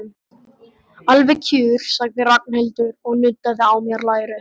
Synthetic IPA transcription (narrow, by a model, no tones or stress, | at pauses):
alvɛcʰʏːɾ̥saɣðɪrak̚n̥helt̪ʏɾɔɣnʏt̪ːaðɪawmjɛɾlaːjɾʏ